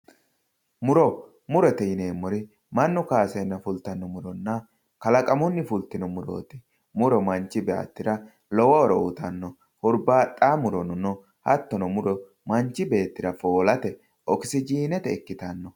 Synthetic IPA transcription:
mʊɾɔ | mʊɾɛt̪ɛjɪneːmːɔɾɪ | mɐnːʊkaːsɛnːɐfʊlt̪ɐnːɔmʊɾɔnːɐ | kɐlɐkʼɐmɔnːɪfʊlt̪ːɪnɔmʊɾo̰ːt̪ɪ̥ | mʊɾɔmɐnt͡ʃːɪbɛɐ̰t̪ːɪɾɐ | lɔwɐɔɾɔʊt̪ɐnːɔ | hʊɾbaːtʼːaːmʊɾɔnɔnɔ | hɐt̪ːɔnɔmʊɾɔ | mɐnt͡ʃːɪbe̞ːt̪ːɪɾɐfoːlɐt̪ɛ | ʔɔkɪ̥sɪd͡ʒiːnɛt̪ɛɛkːɪt̪ɐnːɔ

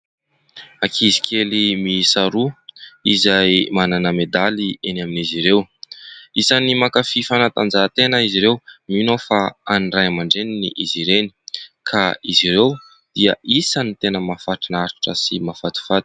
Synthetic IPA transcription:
akʰizi̥kʲʰelimisaɾuizajmananəmed̪alienaminiziɾew | isanimakafifanat̪and͡zat̪enəiziɾewminofaanirajamaɳɖ͡ʐeninḭʔiziɾeni̥kʰaiziɾew | d̪̥iəisanit̪enəmafaʈ͡ʂinaɾi̥ʈ͡ʂəsimafat̪i̥fat̪i̥

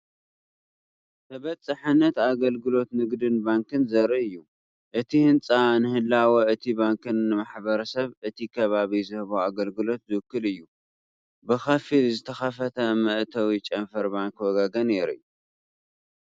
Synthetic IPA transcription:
t̪ʰɐβɐt͡sʼːɨħɨnːɐt̪aɡɐlɡɨlo̞t̪nɨɡd̪ɨnbaŋkɨnzɐɾɐɨjːu | ʔɨt̪ʰihɨnt͡sʼanɨhɨlːawɐɨt̪ʰibaŋkɨnːɨmaħbɐɾɐsɐβɨt̪ʰikʰɐβaβizɨhɨβoaɡɐlɡɨlo̞t̪zɨwɨkːɨlɨjːu | bɨxɐfilzɨt̪ʰɐxɐfɐt̪ʰɐmɐʔt̪ʰɐwit͡ʃʼɐnfɐɾbaŋkwɔɡaɡɐneɾɨ̰j

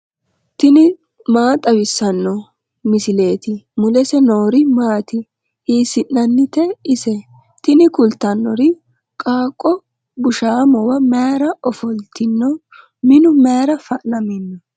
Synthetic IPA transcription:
t̪ɪnɪ | maːt̪ʼɐwɪsːɐnːɔ | mɪsɪle̞ːt̪ɪmʊlɛsɛno̞ːɾɪmaːt̪ɪ | ʔiːsɪnːɐnːɪt̪ɛɪsɛ | t̪ɪnɪkʊlt̪ːɐnːɔɾɪ | kʼaːkʼːɔ | bʊʃaːmɔwɐmeːɾɐʔɔfɔlt̪ɪnːɔ | mɪnʊmeːɾɐfɐʔnɐmɪnːɔ

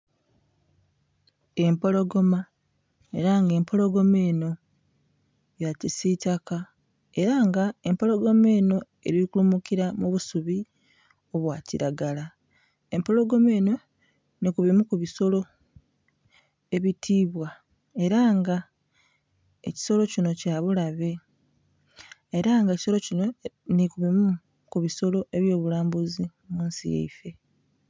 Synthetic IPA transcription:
e̞mpo̞lo̞ɡo̞ma | e̞̰ɾaŋɡe̞ːmpʰo̞lo̞ɡo̞meːno̞ | jacisicaka | e̞ɾaŋɡae̞mpo̞lo̞ɡo̞me̞ːno̞ | e̞ɾiikulumukiɾamuβusuβi | o̞βwaːciɾaɡala | e̞mpo̞lo̞ɡo̞me̞ːno̞ | nikuβimukuβiso̞lo̞ | e̞βitʰiːβwa | e̞ɾaŋɡa | ḛci̥so̞lo̞cino̞caːβulaβe̞ | eɾaŋɡeci̥so̞lo̞cino̞nikuβimu | kuβiso̞lo̞ʔe̞βjo̞ːβulaːmbuzi | muːnsḭjḛife̞

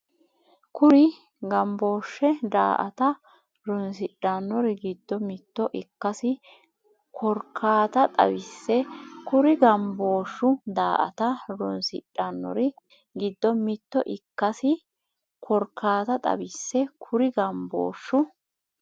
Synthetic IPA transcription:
kʊɾɪ | ɡɐmbo̞ːʃːɛd̪a̰ːʔɐt̪ɐ | ɾɔnsɪɗːɐnːɔɾɪɡɪd̪ːɔmɪt̪ːɔʔɪkːɐsɪ | kʰɔɾkʰːaːt̪ɐt̪ʼɐ̰bɪsːɛkʊɾɪɡɐmbo̞ːʃːʊd̪aːʔɐ̰t̪ɐɾɔnsɪ̰ɗːɐnːɔ̰ɾɪ | ɡɪd̪ːɔmɪt̪ːɔʔɪkːɐsɪ | kʰɔɾkʰːaːt̪ɐt̪ʼɐ̰bɪsːɛkʰʊɾɪɡɐmbo̰ːʃːʊ

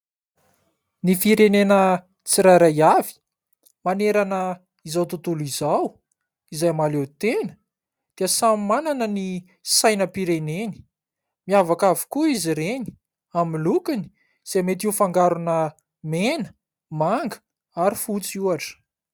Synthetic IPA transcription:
nifiɾenenə | t͡siɾajɾajavi̥ | maneɾanə | izawt̪ut̪ulizaw | izajmalewt̪enə̥ | d̪̥iəsammananəni | sajnəpiɾeneni̥ | miavakavi̥kuiziɾeni̥ | amilukini̥ | z̥emet̪̬iufaŋɡaɾunə | menə | maŋɡə̥ | aɾifut͡suaʈ͡ʂə̥

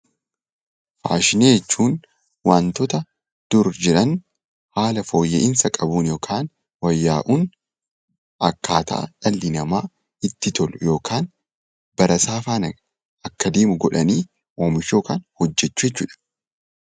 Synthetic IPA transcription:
fa̰ːʃɪneːd͡ʒɛt͡ʃːuːn | waːnt̪ɔt̪ɐ | d̪̥ʊɾd͡ʒɛɾɐn | haːlɐfo̞ːjːɛ̰ʔɪnsɐkʼɐbuːnjo̞ːkʰaːn | wɐjːaːʔuːn | ʔɐkːaːt̪ɐ̰ʔɐ̰ᶑɐlːɪnɐmaː | ɪt̪ːɪt̪ɔlʊjo̞ːkʰaːn | bɐɾɐsaːfaːnɐ | ɐkːɐd̪eːmʊɡɔᶑɐniː | oːmɪʃo̞ːkaːnhɔd͡ʒːɛt͡ʃːʊːjɛt͡ʃːuːᶑɐ̥

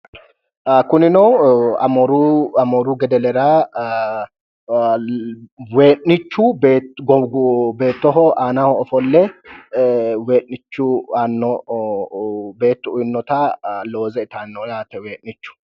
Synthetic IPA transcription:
kʊnɪnɔɐ̰mɔɾuɐmɔːɾuɡɛd̪ɛlɛɾaː | we̞ːʔnɪt͡ʃːubeːɡɔbe̞ːt̪ːɔɦɔʔaːnahɔɔfɔlːɛ | we̞ːʔːɪt͡ʃːʊanːɔ | be̞ːt̪ːʊʊjɪnːɔt̪alo̞ːzɛɪt̪anːɔjaːt̪ɛweːʔnɪt͡ʃːʊ̥

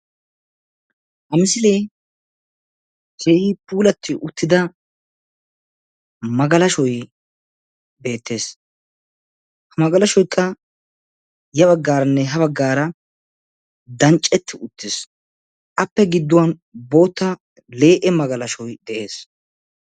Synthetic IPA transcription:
ʔɐmɪsɪle | seːhɪpuːlɐt̪ʰːɪʔʊt̪ːɪd̪ɐ | mɐɡɐlɐʃɔj | be̞ːt̪ːe̞ːs | hɐmɐɡɐlɐʃɔjkʰːɐ | jɐβɐɡːaːɾɐnːɛɦɐβɐɡːaːɾɐ | d̪ɐnt͡ʃʼːɛt̪ːɪʊt̪ːɪs | ʔɐpːɛɡɪd̪ːʊwɐnbo̞ːt̪ːɐ | le̞ːʔɛmɐɡɐlɐʃɔjd̪ɛʔe̞ːs

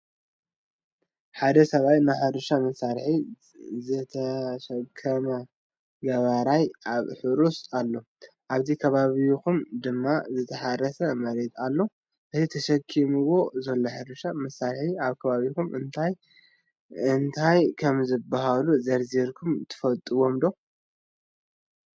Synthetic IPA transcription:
ħad̪ɐsɐβajnaħɨɾɨʃamɐsːaɾħi | zɨt̪ʰɐʃɐkʰːɐmɐ | ɡɐβaɾajaβħɨɾusalːo̞ | ʔaβzikʰɐβaβikumd̪ɨmːazɨt̪ʰɐħaɾɐsɐmɐɾet̪alːo̞ | ʔɨt̪ʰit̪ʰɐʃɐkʰːimuwo̞zɐlːoħɨɾɨʃamɐsaɾħiaβkʰɐβaβikumʔɨnt̪ʰaj | ɨnt̪ʰajkʰɐmzɨbaɦaluzɐɾziɾkʰumt̪ʰɨ̥fɐlt̪ʼɨwo̞md̪o

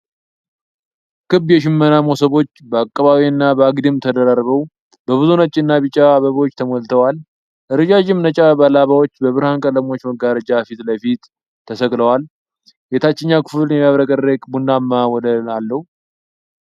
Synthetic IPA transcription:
kʰɨbjɛʃɪmːənamosəβo̞t͡ʃːbəakʼːəβaβiɨnːabəaɡd̪imt̪ʰəd̪əɾarβəw | bəβɨzunat͡ʃːɪnːaβɨt͡ʃʼːaβəβwot͡ʃːt̪ʰəmolt̪ʰəwal | ʔɨɾɨd͡ʒad͡ʒɪmnət͡ʃʼabalaβawot͡ʃːbəβɨɾhankʼələmo̞t͡ʃːməɡaɾəd͡ʒafit̪ləfit̪ʰː | əsəkʼləwal | jet̪ʰat͡ʃːɛɲːakɨ̥fɨljɛmaβɾəkʼərekʼbund̪amːawɔdənalːəhu

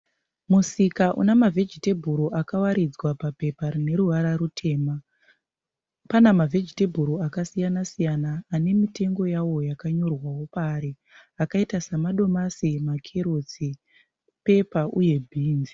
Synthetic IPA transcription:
musikaʔṵnamavʱe̞d͡ʒite̞bʱuɾoʔakawaɾid͡zwapape̞parine̞ɾuʋaɾarutʰe̞ːma | panamavʱe̞d͡ʒite̞bʱuɾoakasijanasijanaːne̞mite̞ŋɡo̞jawo̞jakaɲo̞rwawo̞paːɾe | akaitasamaɗo̞masimakʰeɾot͡si | pe̞paʔuje̞bʱiːnzi

